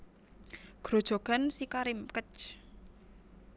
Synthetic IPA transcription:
ɡ̥ɾod̥ʒ̥o̤ɡ̥a̤nsikaɾɪmkət͡ʃ

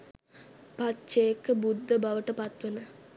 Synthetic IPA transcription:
pɐt̪t͡ʃeːkːɐbud̪ʱːɐbɐʋɐʈːɐpɐt̪ʋɐnɨ

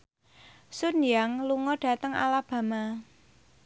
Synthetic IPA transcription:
sʊnjaŋluŋɔɖ̥ä̤t̪əŋa̰lab̥a̤ma

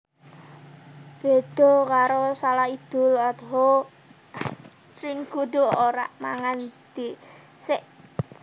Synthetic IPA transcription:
b̥e̤d̪̥ɔ̤kaɾosalahid̪̥ʊ̤lad̪ɦo | sɪŋɡ̥uɖ̪̥o̤oɾa̰ʔmaŋand̪̥i | sɪʔ

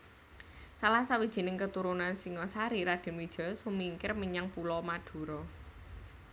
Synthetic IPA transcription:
salasawid̥ʒ̥i̤nɪŋkət̪uɾunansiŋɔsaɾiɾad̪̥e̤nwid̥ʒ̥ɔ̤sumiŋkɪrmiɲaŋpulɔmad̪̥ṳɾɔ

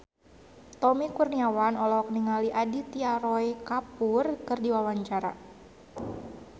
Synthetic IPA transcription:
t̪ɔmikurniawanɔlɔɔk̚niŋaliʔadit̪iaɾɔjkapurkɨrdiwawaɲt͡ʃaɾa̰

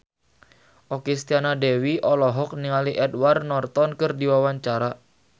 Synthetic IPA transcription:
ʔɔkist̪ianadewiʔɔlɔɦɔk̚niŋaliʔɛdwarnɔrt̪ɔnkɨrdiwawaɲt͡ʃaɾa

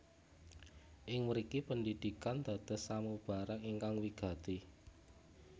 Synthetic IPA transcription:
ʔɪŋmuɾikipəndid̪̥i̤kand̪̥ä̤d̪̥ə̤samub̥a̤ɾaŋiŋkaŋwiɡ̥ä̤t̪i

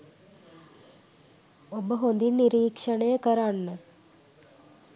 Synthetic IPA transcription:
obəɦond̪inːiɾiːkʂəɳəjəkəɾanːə

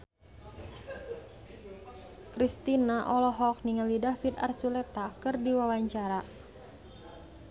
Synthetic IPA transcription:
kɾist̪inaʔɔlɔɦɔk̚niŋalidafid̪a̰rsulɛt̪akɨrdiwawaɲt͡ʃaɾa

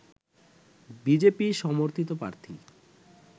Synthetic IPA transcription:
bid͡ʑepiʃɔmoɾt̪ʰit̪̬opɾa̰ɾt̪ʰḭ

